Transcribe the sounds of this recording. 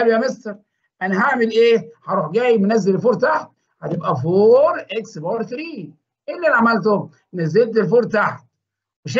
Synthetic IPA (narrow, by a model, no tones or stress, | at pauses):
ælujæmest̪eɾˤ | ʔænæɦaʕmɪlʔeːħɑɾuːħɡæːjmʊnæzːelelfuːɾˤt̪aħt̪̚ | ħæt̪ɪbʔæfoːɾˤʔeksbɑːɾˤkɾiː | ʔelːælʕamælt̪ʊ | næzːelt̪̬elfuːɾˤt̪aħt̪̚ | weʃ